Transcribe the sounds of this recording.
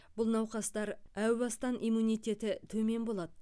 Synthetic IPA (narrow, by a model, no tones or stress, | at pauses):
b̥ʊlˠnɑwqɑst̪ɑɾæwbɑst̪ɑnʔijmunijt̪ʲe̞t̪ɪt̪ʰɵme̞nbo̞lˠɑd̪ə